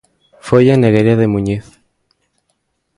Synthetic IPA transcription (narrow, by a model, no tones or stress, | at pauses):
fojaneɣeɾiaðemuɲeθ